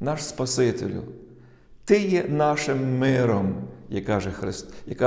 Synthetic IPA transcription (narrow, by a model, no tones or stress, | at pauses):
nɑʃspɐsɪt̪ḛlʲʊ̰ | t̪ɪjɛnɑʃɪmːɪɾɔmjɐkɑʒɛxɾɪst̪jɐkɑ